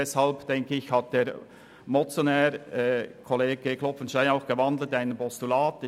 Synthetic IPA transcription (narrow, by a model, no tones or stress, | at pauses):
ɛshɑlpd̥ɛŋkəɪçhɑt̚d̥eːɾ | mɔt͡sjonɛːɾkʰɔleːɡ̥əkʰlɔpfənʃtaɪnaʊxɡ̥əvɑndl̩taɪnənpʰɔstulaːt